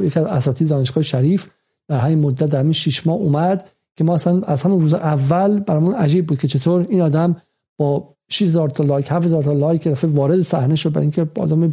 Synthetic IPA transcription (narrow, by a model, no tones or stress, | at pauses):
jecʰiæzæsɒːt̪ʰid̪d̪ɒːneʃɡɒːjeʃæɾiːf | d̪̥æɾɦæmiːnmod̪ːæt̪d̪æɾhæmiːnʃiːʃmɒːhuːmæd̪ | cʲʰe̞mɒːæsænæzhæmunruːzeʔævːælbæɾɒmunæd͡ʒiːb̚buːd̪̚kʰet͡ʃʰe̞t̪ʰoːɾiːnɒːd̪æm | b̥ɒː | ʃiʃhezɒːɾt̪ʰɑlɒːjkhæfhezɒːɾt̪ʰɑlɒjkʰeɾæfevɒːɾe̞d̪esæhneʃod̪̚bæ̰ɾʔiŋcʰeɒ̰ːd̪æme